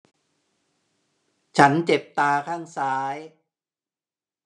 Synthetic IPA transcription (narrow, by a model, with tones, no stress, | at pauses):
t͡ɕʰa˦˥nt͡ɕe˨˩p̚t̪aː˧kʰaː˥˩ŋsaː˦˥j